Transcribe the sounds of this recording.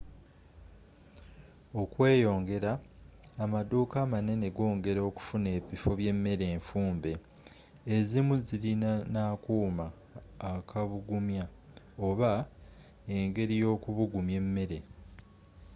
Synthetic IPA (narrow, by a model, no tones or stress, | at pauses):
o̞kwe̞ːjo̞ːŋɡe̞ɾaː | maduːkaːmane̞ne̞ɡo̞ːŋɡe̞ɾo̞ku̥fune̞ːβifoβje̞mːe̞ɾe̞ːɱfuːmbe̞ː | zimuzilinanaːkuːmaː | kʰaβuɡumja | o̞βa | eŋɡe̞ɾijo̞ːkuβuɡumje̞mːe̞ɾe̞